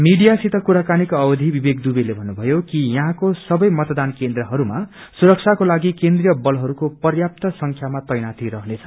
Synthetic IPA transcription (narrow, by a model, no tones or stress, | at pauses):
miɖijasit̪ʌkuɾakanikʌbʌd̪ʱibibek̚d̪ubilebʱʌnːubʱʌjokijʌɦãkosʌbʌjmʌt̪d̪ankend̪rʌɦʌɾuma̰ | suɾʌk̚t͡sʰakolaɡikend̪rijʌbʌlɦʌɾukopʌrjap̚t̪ʌsʌŋkʰjamat̪ʌjnat̪iɾʌɦnet͡sʰʌ